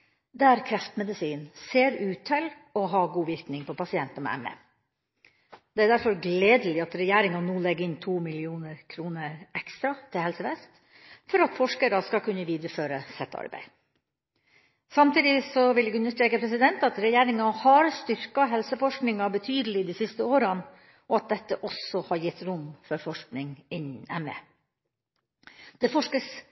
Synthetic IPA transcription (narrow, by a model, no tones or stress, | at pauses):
d̪ɛæɾkʰɾɛft̪mɛd̪ɪsiːnseːɾʉːt̪ʰːɪl | ɔɦɑɡuːʋɪɾknɪŋpʰɔpɑsɪɛnt̪ɑmɛ̰ɛ̰mɛ̰ | d̪ɛæɾd̪æɾfɔɾɡleːd̪əlɪɑt̪ɾɛjæːɾɪŋɑnuːlɛɡəɪnt̪ʰuːmɪlɪuːnəɾkʰɾuːnəɾɛkst̪ɾɑt̪ʰɪlhɛlsəʋɛst̪ | fɔɾɑt̪fɔʂkəɾəskɑkʰʉnːəʋiːd̪ɾəføːɾəsɛt̪ːɑ̰ɾbæ̰ɪ | sɑmt̪iːd̪ɪsɔʋɪlɛɡʉnəʂʈɾeːkəpʰɾɛsɪd̪ɛnt̪ɑt̪ɾɛjæːɾɪŋɑhɑɾst̪ʏɾkɑɦɛlsəfɔʂknɪŋɑbət̪ʰyːd̪əlɪd̪iːsɪst̪əoːɾən | ɔɑt̪̚d̪ɛt̪ːəʔɔsɔhɑɾjɪt̪ːɾʊmfɔɾfɔʂknɪŋɪnɛmḛ | d̪̥ɛfɔʂkəs